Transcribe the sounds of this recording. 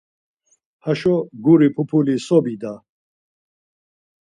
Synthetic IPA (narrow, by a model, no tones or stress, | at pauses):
haʃɔɡuɾipʰupʰulisɔbid̪a